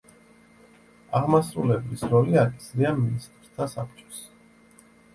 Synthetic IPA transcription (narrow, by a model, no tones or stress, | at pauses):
aʁmasɾulɛblisɾɔliakʼi̥sɾiaminst̪ʼɾt̪ʰasapʰt͡ʃʼɔ̥s